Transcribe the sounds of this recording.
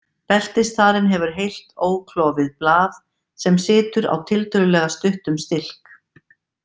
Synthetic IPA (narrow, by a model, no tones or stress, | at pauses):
pɛl̥t̪ɪst̪aːɾɪnɦɛvʏɾ̥ɦejl̥t̪oːwkʰlɔːvɪðplaːθ | sɛmsɪːt̪ʏɾa̰wt̪ʰɪlt̪ʏɾʏlɛːɣast̪ʏht̪ʏmst̪ɪl̥k